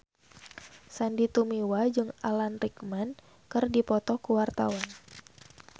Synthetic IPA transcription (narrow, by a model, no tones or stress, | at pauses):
sandit̪umiwad͡ʒɨŋalanrikman | kɨrdipɔt̪ɔkuwart̪a̰wan